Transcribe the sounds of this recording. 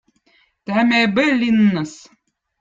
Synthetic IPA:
t̪æmʲebɘlʲinːɤs

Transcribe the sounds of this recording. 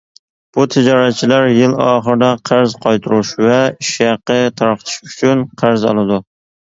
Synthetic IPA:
b̥ʊt̪ʰɪd͡ʒɒɾat̪t͡ʃʰɪlaɾjɪlɒχɨɾd̪aqʰɑɾzqʰɒjt̪ʰʊɾɪʃvaɪʃjɑqːɨt̪ʰɑɾqt̪ʰɪ̥ʃʊt͡ʃʰʊnqʰɑɾzɒ̰lˠɪd̪ʊ

